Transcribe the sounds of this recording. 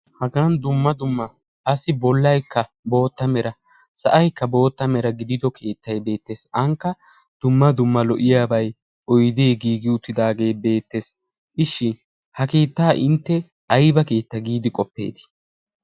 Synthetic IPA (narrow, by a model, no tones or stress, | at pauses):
hɐɡɐnd̪ʊmːɐd̪ʊmːɐ | ʔɐsːɪbɔlːɐjkːɐ | bo̞ːt̪ːɐmɛɾɐ | sɐ̰ʔɐjkːɐbo̞ːt̪ːɐmɛɾɐɡɪd̪ɪd̪ɔkʰe̞ːt̪ːɐjbe̞ːt̪ːe̞ːsɐŋkːɐ | d̪̥ʊmːɐd̪ʊmːɐlɔʔɪjaːbɐj | ʔɔjd̪eːɡiːɡɪʊt̪ːɪd̪aːɡe̞ːbe̞ːt̪ːe̞ːs | ʔɪʃːɪ | hɐke̞ːt̪ːaːʔɪnt̪ːɛ | ʔɐjbɐke̞ːt̪ːɐɡiːd̪ɪkʼɔpːḛːt̪ɪ̥